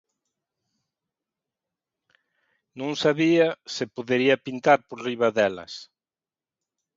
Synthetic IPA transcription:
nõŋsaβiɐsɪpoðeɾiɐpint̪aɾpoɾriβaðɛlɐ̰s

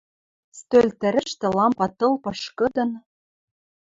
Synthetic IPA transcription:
st̪ølʲt̪ɘ̆ɾɘ̆ʃt̪ĕlɑmpɑt̪ɤ̆lˠpɤ̆ʃkɤ̆d̪ɤ̆n

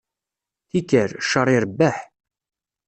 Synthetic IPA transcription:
θikəɾʃːəɾˤiɾbːaħ

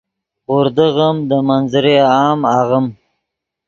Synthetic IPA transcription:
ʊɾd̪əɣəmd̪əmanzɾeɑːmaʁəm

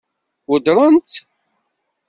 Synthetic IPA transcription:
wəd̪ɾˤənt̪

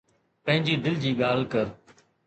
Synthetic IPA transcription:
pə̃ɦɪ̃ɲd͡ʒiːd̪ɪld͡ʒiːɠaːlkəɾ

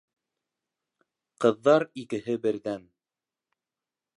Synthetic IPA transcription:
qɤ̆ðːɑɾikɘ̆ɦɘbɘ̆ɾðæn

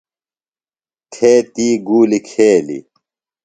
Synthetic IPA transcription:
t̪ʰeːt̪iːɡuːlikʰeːlḭ

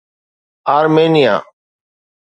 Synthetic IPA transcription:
aːɾmeːnɪja̰ː

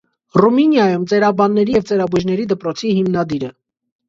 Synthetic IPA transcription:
ruminjɑjumt͡sɛɾɑbɑnːɛɾijɛvt͡sɛɾɑbuʒnɛɾid̪əpɾɔt͡sʰihimnɑd̪iɾə

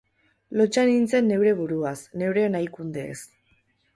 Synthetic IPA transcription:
lo̞t͡ʃanint͡se̞nːe̞wɾe̞βuɾuasne̞wɾenajkund̪e̞̰ːs

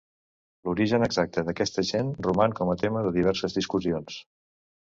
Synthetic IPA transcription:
luɾiʒənəɡzak̚t̪əðəkɛst̪əʒenrumankɔmət̪eməðəðiβ̞ɛɾsəzðiskuzions

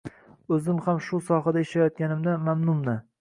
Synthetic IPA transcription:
ɵzɪmhamʃʊsɒɦad̪aɪʃlajɒt̪̚kʲanɪmd̪anmamnʊmnɪ

